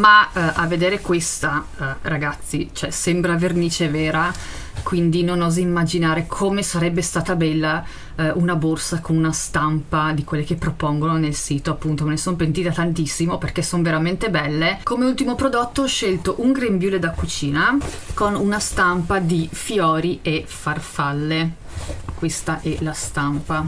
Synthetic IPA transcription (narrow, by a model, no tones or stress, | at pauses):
maʔavːed̪eːɾekwest̪a | ɾaɡat̪sːit͡ʃoɛsɛmbɾaverniːt͡ʃevɛːɾa | kwind̪inonɔːzaimːad͡ʒinaːɾekʰomesaɾɛbːest̪aːt̪abɛlːa | unaborsakonunast̪ampad̪ikwelːek̟epːɾopɔŋɡononelsiːt̪oapːunt̪omanesompent̪iːt̪at̪ant̪isːimoperkesːonveɾament̪ebɛlːekomeult̪imopɾod̪ot̪ːoɔʃːelt̪oʔuŋɡɾembjuːled̪akːut͡ʃiːnakonunast̪ampad̪ifjɔːɾiefarfalːe | kwest̪aʔɛlast̪ampa